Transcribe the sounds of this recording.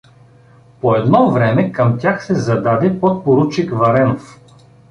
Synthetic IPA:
poɛd̪nɔvɾɛmɛkɐmt̪ʲjaxsɛzɐd̪ad̪ɛpot̪̚poɾut͡ʃikvɐɾɛnof

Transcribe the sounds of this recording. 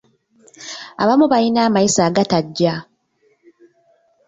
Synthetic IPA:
a̰βamuβajinaːmaisaːɡataɟːa

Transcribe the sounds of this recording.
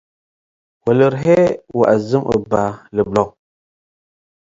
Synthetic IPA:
wələɾɦewa̰ʔazɨmʔə̰baləblɔŋ

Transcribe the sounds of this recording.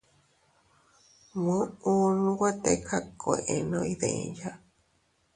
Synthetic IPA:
mũunũwat̪ekʰakoeʔenõiðḛ̃ja

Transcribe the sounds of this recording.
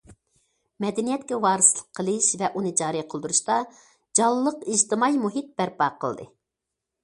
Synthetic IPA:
mɛd̪ɛnijɛt̪̚kʲɛwɑːɾɨslˠə̥qʰːəlˠɨʃvɛʔunɨd͡ʒɑːɾiqʰəlˠd̪uɾuʃt̪ɑ | d͡ʒɑlˠːəqiʒt̪ɨmɑjmuɦit̪̚b̥æɾpɑːqʰə̰lˠd̪ɨ̰

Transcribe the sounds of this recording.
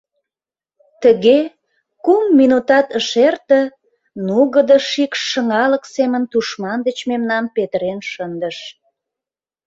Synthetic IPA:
t̪əɣe | kumːinut̪ɑt̪əʃert̪ə̆ | nuɣəd̪əʃikʃːəŋɑləksemənt̪uʃmɑnd̪ət͡ɕmemnɑmpet̪əɾenʃənd̪əʃ

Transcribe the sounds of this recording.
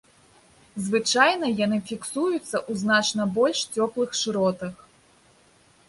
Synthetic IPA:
zvɨt͡ʂajnɐjanɨfʲiksujut̪sːɐʔuznat͡ʂnɐbɔlʲʂt͡sʲɔplˠɨxʂɨɾɔt̪ɐx

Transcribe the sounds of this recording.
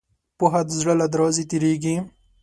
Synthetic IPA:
poɦad̪zɽəlad̪ɾɔːzit̪iɾiɡi

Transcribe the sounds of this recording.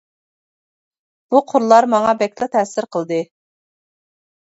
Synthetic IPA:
b̥uqʰʊɾlˠɑɾmɑŋɑbɛkʲlɑt̪ʰɛsɪɾqʰəlˠd̪ɨ

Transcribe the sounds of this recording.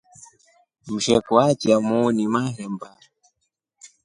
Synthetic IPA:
m̩ʃɛkuatiamunimaɾɛmba

